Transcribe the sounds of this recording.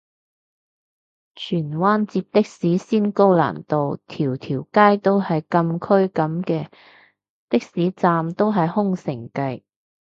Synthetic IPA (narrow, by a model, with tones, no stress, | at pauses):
t͡ʃʰyː˨˩nwaː˥nt͡siː˧p̚t̪ɪ˥k̚siː˨˥siː˥nko˥wla̰ː˨˩nt̪o˨wt̪ʰiː˨˩wt̪ʰiː˨˩wkaː˥jt̪o˥whɐ˨jkɐ˧mkʰɵ˥ɥkɐ˨˧˥mkɛː˧ | t̪ɪ˥k̚siː˨˥t͡saː˧mt̪o˥wɦɐ˨jhʊ˥ŋsɪ˨˩ŋkɐ˧j